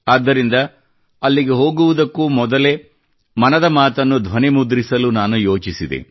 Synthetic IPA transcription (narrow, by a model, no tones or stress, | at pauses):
aːd̪ːɐɾind̪ɐ | ɐlːiɡe̞ɦo̞ːɡuʋud̪ɐkːumɔd̪ɐle̞ | mɐnɐd̪ɐmaːt̪ɐnːud̪ʱʋɐnimud̪ɾisɐlunaːnujo̞ːt͡ʃisid̪ḛ